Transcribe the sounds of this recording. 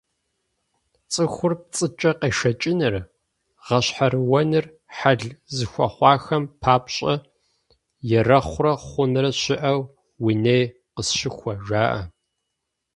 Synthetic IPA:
t͡sʼɨxʷʊrp̚t͡sʼɨt͡ʃʼɐqeːʃɐt͡ʃʼɪnɨr | ʁɐɕħaɾɨwɐnɨr | ħaɮzɨxʷɐ̰χʷɑːxɐmpʰaːpɕʼɐ | jɛrɐχʷʊrɐχʷʊnɨrɐɕɪʔɐw | winej | qəsʃɪxʷɐʒaːʔɐ̰

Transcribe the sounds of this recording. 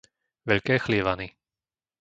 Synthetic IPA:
ʋɛʎkɛːxliʋani

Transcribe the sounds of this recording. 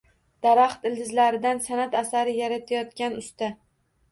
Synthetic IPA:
d̪̥aɾaχt̪ɪld̪ɪzlaɾɪd̪ansanat̪asaɾɪjaɾat̪ʰajɒt̪̚kʲanʊst̪a

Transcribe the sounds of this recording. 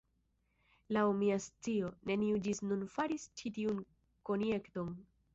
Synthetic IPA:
lawmiast͡sio̞ne̞niud͡ʒisnunfaɾist͡ʃitiun | ko̞nje̞kto̞n

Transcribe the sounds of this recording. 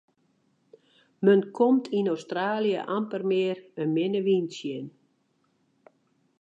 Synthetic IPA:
mənkʰomtʰinowstraːljə̰ʔampərmɪːrənmɪnəʋinsjən

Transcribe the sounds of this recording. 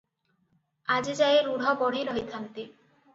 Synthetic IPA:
ad͡ʒed͡ʒajeɾuɽ̤ʱɔbɔɽ̤iɾɦɔjt̪ʰant̪i

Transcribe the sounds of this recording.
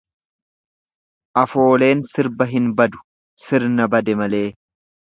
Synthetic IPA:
ʔɐfo̞ːle̞ːnsɪɾbɐɦɪnbɐd̪ʊ̥ | sɪɾnɐbɐd̪ɛmɐle̞ː

